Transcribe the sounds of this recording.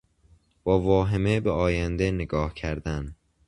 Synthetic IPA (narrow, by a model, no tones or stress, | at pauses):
b̥ɒːvɒːɦemebeɒːjænd̪eneɡɒːhcʰæɾd̪æn